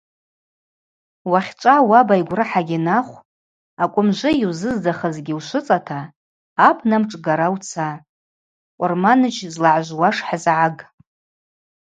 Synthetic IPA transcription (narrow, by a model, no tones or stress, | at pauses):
waχʲt͡ʃʷʼawabajɡʷrɨħaɡʲinaχʷ | akʷʼʊmʒʷɨjiwzɨzdaχəzɡʲiwʃʷʊt͡sʼatʰaː | pʰnamʈ͡ʂʼɡaɾawt͡sʰa | kʷʼʊrmanɨt͡ʃʰzlaʕʒʷwaʂħazʕaɡ